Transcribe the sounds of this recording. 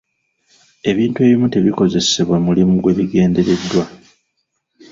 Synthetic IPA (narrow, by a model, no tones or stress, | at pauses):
e̞βiːntue̞βimute̞βiko̞ze̞se̞βwamulimuɡwe̞βiɡe̞ːnde̞ɾe̞dːwa